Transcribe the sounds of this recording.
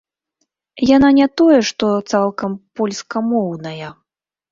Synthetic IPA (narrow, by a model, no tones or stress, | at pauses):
jananʲat̪ɔjɛʂt̪ɔt̪salˠkɐmpɔlʲskɐmɔwnɐjɐ